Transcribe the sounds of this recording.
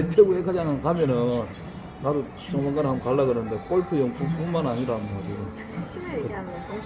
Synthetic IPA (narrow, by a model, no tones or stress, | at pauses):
etʰeɡohekʰad͡ʑaŋankamjʌnɯnː | adu | t͡ɕʌŋmaŋɡanɦamkaɭːaɡɯnɯnde̞k͈oɭkʰɯjʌŋkʰukumanaɲiɾamad͡ʑuɡo | kɯ